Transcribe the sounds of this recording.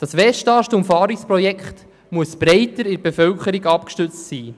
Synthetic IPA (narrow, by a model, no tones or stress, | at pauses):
d̥ɑsʋɛʃtɑːʃtʊmfɑːɾikspɾɔjɛkχt | muəsb̥ɾɛɪtəɾɪɾb̥efœwkəɾiɡɑpkʃtʏt͡stsiː